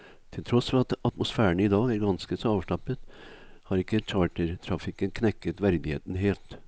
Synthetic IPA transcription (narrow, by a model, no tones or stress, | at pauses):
t̪ʰɪlt̪ʰɾɔsfɔɾɑt̪ɑt̪mʊsfæːəɳɪd̪ɑːɡæɾɡɑnskəsɔɑːʋʂʈɑpːət̪hɑɾɪkːət͡ʃʰɑːʈəɾt̪ʰɾɑfɪkənkʰnɛkːət̪ʋæɾd̪ɪhḛːt̪n̩ɦeːlt̪